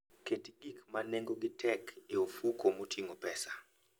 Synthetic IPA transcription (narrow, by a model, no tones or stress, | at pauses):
ketiɡikmanɛŋɡoɡitʰɛkɛofukʰomotʰiŋɔpɛsḁ